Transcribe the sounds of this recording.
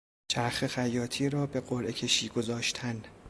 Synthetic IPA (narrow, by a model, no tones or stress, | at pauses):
t͡ʃʰæɾxexæjɒːt̪ʰiːɾɒːbe̞ɢoɾʔecʰe̞ʃiːɡo̞zɒːʃt̪ʰæn